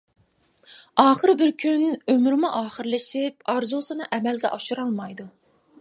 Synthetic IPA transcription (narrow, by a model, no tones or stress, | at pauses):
ɑːχəɾbɪɾkʲʰynømɾmuʔɑːχəɾlɪʃip̚ɑɾzusɨnɨʔɛmɛlɡʲɛ̰ʔɑʃuɾɑlˠmɑjd̪u